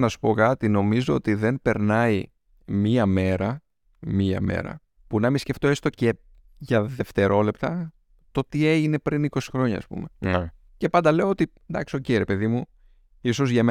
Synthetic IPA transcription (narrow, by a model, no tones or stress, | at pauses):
nɐsu̥po̞kɐt̪ino̞mizo̞o̞t̪iðe̞mpe̞ɾnɐi | miɐme̞ɾɐ | miɐ̰me̞̰ɾɐ̰ | punɐmisce̞ft̪o̞e̞st̪o̞ce | ʝɐðe̞ft̪e̞ɾʔo̞le̞pt̪ɐ | t̪o̞t̪ie̞ʝine̞pɾiniko̞si̥xɾo̞ɲɐ̰ːspṵme̞n | ce̞pɐnd̪ɐle̞oot̪i | nd̪ɐksociɾe̞pe̞ðimu | iso̞zʝɐme